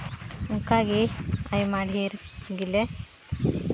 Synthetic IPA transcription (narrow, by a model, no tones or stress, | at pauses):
uŋkaːɡiajmaːɽiɦeːɾɡile